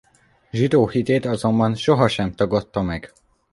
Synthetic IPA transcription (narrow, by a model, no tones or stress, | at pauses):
ʒid̪oːhit̪eːt̪ɒzo̞mbɒnʃo̞ɦɒʃɛmt̪ɒɡot̪ːɒmɛɡ̥